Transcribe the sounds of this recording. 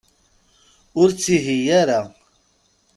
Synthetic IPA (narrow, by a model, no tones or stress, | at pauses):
ʊɾt͡sːiɦijaɾa